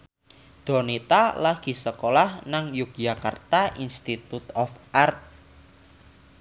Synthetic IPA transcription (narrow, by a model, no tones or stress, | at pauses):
d̪̥ɔ̤nit̪alaɡ̥i̤səkolahnaŋjuk̚jaka̰rt̪aʔinst̪it̪ut̪ɔfart̪̚